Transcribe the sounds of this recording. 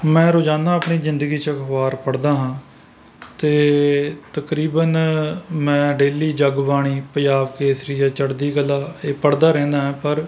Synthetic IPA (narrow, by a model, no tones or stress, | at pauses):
mɛ̃ːɾoːd͡ʒaːnaːəpɳiːzɪ̃nd̪əɡiːt͡ʃəkʋaːɾpəɽd̪aːɦãː | t̪eːt̪əkɾiːbənmɛ̃ːɖeːliːd͡ʒəɡʋaːɽ̃iːpəd͡ʒaːʋkeːsɾiːjaːt͡ʃəɽd̪iːkəlːaːeːpəɽd̪aːɾɛ̃ːnd̪aːɦɛ̃ːpəɾ